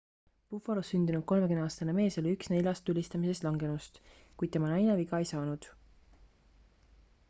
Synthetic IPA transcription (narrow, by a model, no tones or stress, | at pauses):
pufoɾosːynd̪inud̪̚ko̞lme̞kynɑːst̪ɑneme̞ːso̞liyksne̞lʲɑst̪ːulʲist̪ɑmise̞st̪lɑŋɡ̥e̞nust̪ | kujd̪̚e̞mɑnɑjneviɡɑejsɑːnud̪̥